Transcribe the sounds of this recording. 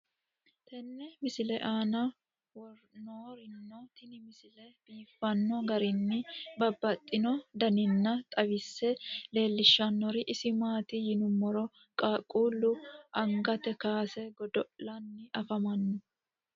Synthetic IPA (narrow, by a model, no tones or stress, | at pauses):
t̪ɛnːɛmɪsɪlɛʔaːnɐ | wɔɾnoːɾɪnːɔt̪ɪnɪmɪsɪlɛb̥iːfːɐnːɔɡɐɾɪnːɪbɐbːɐt̪ʼːɪnɔd̪ɐnɪnːɐt̪ʼɐbɪsːɛle̞ːlːɪʃːɐnːɔɾɪʔɪsɪmaːt̪ɪjɪnʊmːɔɾɔ | kʼaːkʼuːlːʊʔɐŋɡɐt̪ɛkaːsɛɡɔd̪ɔʔlɐnːɪʔɐfɐmɐnːɔ